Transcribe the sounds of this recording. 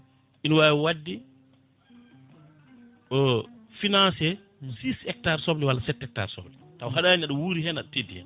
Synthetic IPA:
ʔinwajɛwadːi | ɔfinasɛ | sisɛk̚taɾsɔblɛwalːasɛtːɛk̚ta̰ɾsɔ̰blitawɦaɗanaɗɔwuɾiɦɛnaɗɔtedːiɛ̰n

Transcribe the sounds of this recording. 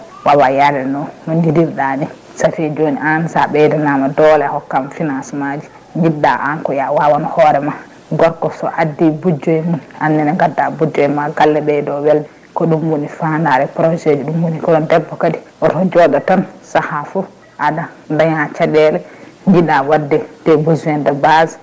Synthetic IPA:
wawajalɛnɔnɔɲd͡ʒidiɾɗani | safɛd͡ʒoniʔansaɓɛdɛnamadɔlɛhɔkːamfinansmad͡ʒi | ɲd͡ʒiɗːaʔankɔjawawanɔhɔɾɛma | ɡɔɾkɔsɔ̰ʔadːibud͡ʒɔɛmunanːɛnɛŋɡadːabud͡ʒɔɛmaɡalːɛɓɛdɔwɛldɛ | kɔɗumwonifandaɾɛpɾɔd͡ʒed͡ʒiɗumwonikɔɗɔndɛbːɔkadi | ɔtɔd͡ʒɔɗɔtɔnsahafu | ʔadandaɲat͡ʃaɗɛɾɛɲd͡ʒiɗawadːɛtɛbuzuɛndabaz

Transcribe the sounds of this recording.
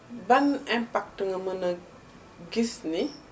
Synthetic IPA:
bɐnɛmpak̚tŋɡɐmənɐ | ɡisni

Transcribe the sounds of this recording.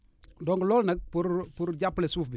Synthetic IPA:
doŋɡlolnək̚puɾpuɾɟapːlesuːfbi

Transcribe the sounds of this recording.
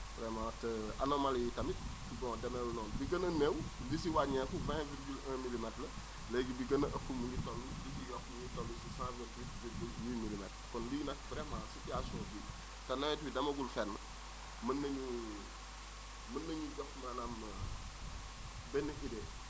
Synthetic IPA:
bɾɛmatɐɐnɔmaljitɐmit̚ː | bɔ̃ːdɐmɛlnɔːnbiɡɐnɐnɛwdisiwaɲɛkuvɛ̃viɾɡilɛ̃ːmilimɛtlɐ | lɛɡubiɡənɐʔɐkːuməɲutɔlːudisijɔkməɲitɔlːusisãːviwiviɾɡilwimilimɛ̰t | kɔnliɡnɐk̚bɾɛmaːsitasɔdu | tɐnɐɛtwidɐmɐɡulfɛnːɐ | mɐnːɐɲu | mɐnːɐɲujɔkmanam | bɛnːəfidɛ

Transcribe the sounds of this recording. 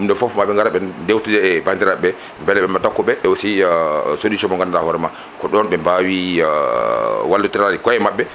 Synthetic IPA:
umdɛfɔfmaɓɛŋɡaɾaɓɛdewtudɛbandiɾaɓɛ | mbɛlɛɓɛmatakːɔɓɛɗɛwsisodisɔmɔŋɡanɾahɔɾɛma | kɔɗɔnɓɛmbawi | walːutiɾaɾikɔɛmaɓːɛ

